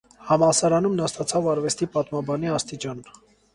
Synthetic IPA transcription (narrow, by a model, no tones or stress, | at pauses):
hɑmɑlsɑɾɑnumnɑst̪ɑt͡sʰɑvɑɾvɛst̪ipɑt̪mɑbɑniɑst̪it͡ʃɑn